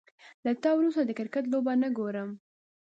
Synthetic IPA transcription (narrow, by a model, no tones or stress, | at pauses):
lat̪ɑwɾust̪ad̪əkɪɾkat̪̬lobanəɡoɾəm